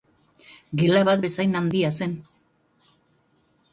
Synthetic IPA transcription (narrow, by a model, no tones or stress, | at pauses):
ɡelaβat̪̚be̞sajnand̪iase̞n